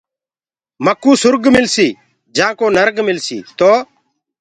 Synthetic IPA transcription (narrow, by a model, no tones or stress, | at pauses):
məkːuːsʊɾɡmɪlsiː | d͡ʒãːkoːnəɾɡmɪlsḭːt̪oː